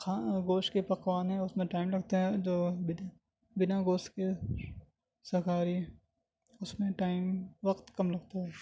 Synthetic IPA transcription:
kʰaɡoːʃʈkepɐqʋaːnɦɛ̃ʊsmẽʈaːɪmlɐɡt̪aɦɛd͡ʒoːbɪna | bɪnaɡoːʃʈke | sɐɦkaːɾiɦɛ | ʊsmẽʈaːɪmʋɐqt̪kɐmlɐɡ̚t̪aɦɛː

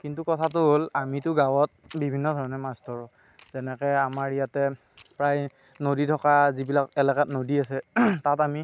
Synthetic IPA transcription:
kintukɔtʰatʊɦolamitʊɡawɔt̚bibʱinːɔdʱɔɹɔnɛmastɔɹʊ | zɛnɛkɛjamaɹijatɛ | pɹaj | noditʰɔkazibilakɛlakatnodiasɛtatami

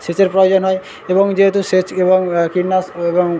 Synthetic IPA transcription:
set͡ʃeɾpɾojod͡ʒɔnɦɔe | ebɔŋd͡ʑeɦet̪uset͡ʃebɔŋkiɾnasebɔŋ

